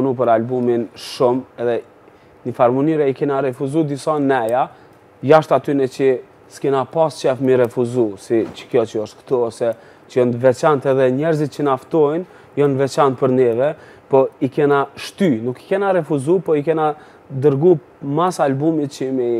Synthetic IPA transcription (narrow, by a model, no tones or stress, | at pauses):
nupəɾalbuminʃumɛðɛ | nifaɾmunyɾɛikɛnaɾɛfuzud̪isanɛja | jaʃt̪at̪ynɛt͡ʃə | skɛnapast͡ʃɛfmiɾɛfuzusit͡ʃə̥kjɔt͡ʃəɔʃt̪̚kt̪ɔɔsɛ | t͡ʃəjɔnvɛt͡ʃant̪ɛðɛɲɛɾzit̪̚t͡ʃənaft̪ɔjn | jɔnvɛt͡ʃant̪̚pəɾnɛvɛ | pɔikɛnaʃt̪ynuki̥kɛnaɾɛfuzupɔikɛna | d̪əɾɡu | masalbumit̪t͡ʃəmɛ